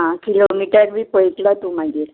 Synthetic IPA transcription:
ɦãkilomiʈəɾʋiːpəjtlat̪umaɡe

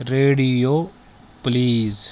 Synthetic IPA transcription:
ɾeːɽioː | pliːz

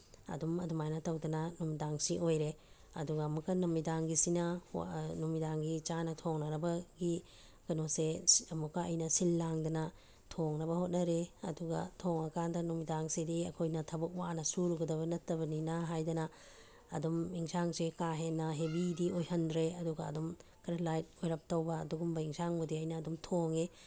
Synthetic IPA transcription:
ɐ̰dumɐdumajnɐtɐwdɐnɐnumidaŋsiʔojɾe | ɐ̰duɡɐːmukːɐnumidaŋɡisinɐnumidaŋɡit͡ʃanɐtʰoŋnɐɾɐbɐɡi | kɐnoseɐmukːɐɐ̰jnɐsilːaŋdɐnɐ | tʰoŋnɐbɐhot̚nɐɾeɐ̰duɡɐ̰tʰoŋɐkʰandɐnumidaŋsediɐkʰojnɐtʰɐbɐk̚waʔnɐsuɾuɡɐdɐβɐnɐtːɐbɐninɐɦajdɐnɐ | ɐdumiŋsaŋsekaɦenːɐɦebidiojhɐndɾeɐduɡɐɐdumkʰɐɾelajt̚ojɾɐp̚tɐwbɐːduɡumbɐiŋsaŋbɐdiɐjnɐːdumtʰoŋe

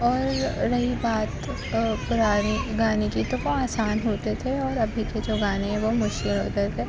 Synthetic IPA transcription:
ɔːɾɾɐɦibaːt̪ | pʊɾaːniɡaːnikit̪oboaːsaːnɦoːt̪et̪ʰeɔːɾɐbʱiked͡ʒoːɡaːneɦɛ̃ʋomʊʃkɪlɦo̰ːt̪et̪ʰeː

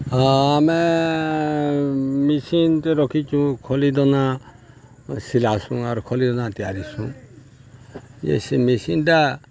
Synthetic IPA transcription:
ame | misint̪eɾɔkʰit͡ʃũkʰɔlid̪ɔna | silasũaɾukʰɔlid̪ɔnat̪ijaɾisũ | jḛsimisinʈa

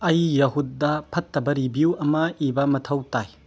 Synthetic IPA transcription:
ɐjːɐɦut̚dɐpʰɐtːɐbɐɾibiuwɐmɐibɐmɐtʰɐwtaj

